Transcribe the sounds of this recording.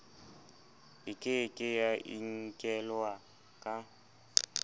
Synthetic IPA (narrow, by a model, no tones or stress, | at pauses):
ɪkʼɪkʼɪjaʔḭŋ̩kʼɛlwa | kʼa